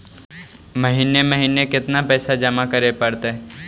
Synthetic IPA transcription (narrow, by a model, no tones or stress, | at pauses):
məɦiːneməɦiːnekɪt̪napɛːsad͡ʒɐmakəɾepəɽt̪eɦɛ